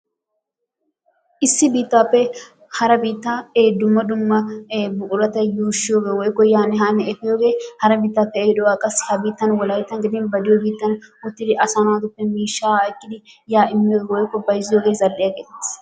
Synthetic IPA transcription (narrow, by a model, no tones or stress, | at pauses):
ʔɪsːɪbiːt̪ːaːpːɛ | hɐɾɐbiːt̪ːaːeːd̪ʊmːɐd̪ʊmːɐbʊʔʊɾɐt̪ɐjuːʃːɪjoːɡeːwɔjkːɔjaːnɪɦaːnɛɛfɪjoːɡeːhɐɾɐbiːt̪ːaːpːɛeːd̪ɔwaːkʼɐsɪhɐbiːt̪ːɐnwɐlɐjt̪ːɐnɡɪd̪ɪnbɐd̪ɪjobiːt̪ːɐnʊt̪ːɪd̪ɪʔɐsɐnʊwaːt̪ʊpːɛmiːʃːaːɪkʼːɪd̪ɪ | jaːɪmːoːɡeːwɔjkːɔbɐjzɪjoːɡeːzɐlʔɪjɐɡe̥ː